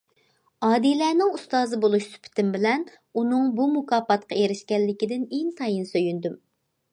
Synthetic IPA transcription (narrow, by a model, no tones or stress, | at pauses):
ɑːd̪ilɛːnɪŋust̪ɑːzɨbolˠuʃsy̥pʰɪ̥t̪ʰɪmbɪlɛn | unɨŋbumukɑːpɑt̪̚qʰɑeɾɪʃkʲɛlːɪkʲid̪ɪneŋt̪ʰɑjinsøjynd̪ym